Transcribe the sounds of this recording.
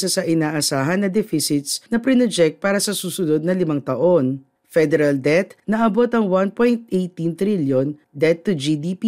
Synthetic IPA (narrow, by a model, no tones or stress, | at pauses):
sɐsɐʔɪnaːʔɐsaːɦɐnːɐd̪ɛfɪsɪt̪snɐpɾɪnɛd͡ʒɛk̚t̪̚paːɾɐsɐsuːsʊno̞d̪̚nɐlɪmɐŋt̪ɐʔo̞n | fɛd̪ɛɾɐld̪ɛt̪nɐʔɐbo̞t̪ɐŋwanpojnt̪ʔejt̪int̪ɾiljon | d̪ɛt̪ːud͡ʒid̪iːpi